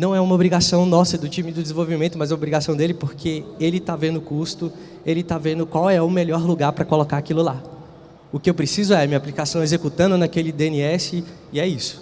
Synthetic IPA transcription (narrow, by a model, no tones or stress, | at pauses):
nɐ̃w̃ɛũmɐobɾiɡasɐ̃w̃nɔsɐd̪ʊt͡ʃĩmɪd̪ʊd̪zẽvowvimẽnt̪ʊmɐzɛumɐobɾiɡasɐ̃w̃d̪elɪpoɾkʰeelɪt̪avẽnd̪ʊkust̪ʊ | elɪt̪avẽnd̪ʊkwawɛʊmeʎɔɾluɡaɾpɾɐkolokaakilʊla | ʊkɪewpɾesizʊɛɐmĩɲɐaplikasɐ̃w̃ezekut̪ɐ̃nd̪ʊnɐkelɪd̪eẽniɛsɪ | iɛisʊ̥